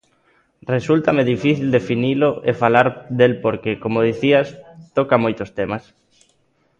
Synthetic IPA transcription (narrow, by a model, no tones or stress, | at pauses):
result̪ameðifiθild̪efiniloefalaɾd̪elpoɾkekomoð̞iθiast̪okamojt̪ost̪emas